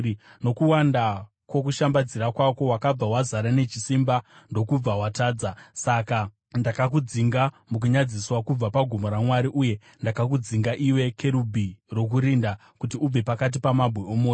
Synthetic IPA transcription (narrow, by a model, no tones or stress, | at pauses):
no̞kuwanda | kwo̞kuʃambad͡ziɾakwako̞wakab͡vawazaɾane̞t͡ʃisimbando̞kub͡vawataːd͡zasaka | ndakak̬ud͡ziŋɡa | muk̬uɲad͡ziswakub͡vapaɡʱumoɾamwaɾiʔuje̞ | ndakak̬ud͡ziŋɡaʔiwe̞kʰe̞ɾubʱiro̞k̬uɾinda | kutiub͡ve̞pakat̬ipamabʱweomoːjo